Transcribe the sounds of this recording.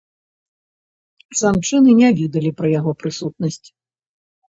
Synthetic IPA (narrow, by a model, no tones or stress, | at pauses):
z̥ant͡ʂɨnɨnʲavʲɛd̪ɐlʲipɾɐjaɣɔpɾɨsut̪̚nɐsʲt͡sʲ